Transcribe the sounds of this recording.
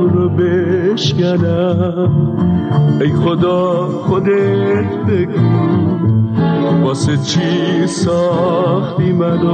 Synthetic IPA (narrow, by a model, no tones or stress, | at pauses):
ɾobeʃkænæ | m | ejχod̪ɒː | χod̪et̪ʰbeɡu | bɒːset͡ʃʰisɔχt̪imæd̪o